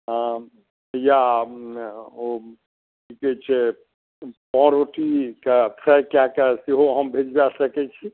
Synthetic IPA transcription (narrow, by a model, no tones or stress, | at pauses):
ɦã | ja | o | ʈʰikɛt͡ʃʰe | pɔ̃ɾoʈikapʰɾajkjakəsiɦoɦəmbʱed͡ʒbasəkɛt͡ʃʰi